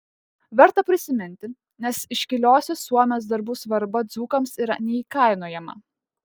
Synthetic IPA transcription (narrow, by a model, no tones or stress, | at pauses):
ʋʲɛɾt̪ɐpʲɾʲɪsʲɪmʲɪnʲt̪ʲɪ | nʲɛsɪʃʲkʲɪlʲoːsʲɛsuɔmʲeːs̬d̪ɐɾbuːsʋɐɾbɐd̪zuːkɐmsiɾɐ̰nʲɛiːkɐɪnuɔːjɛmɐ̰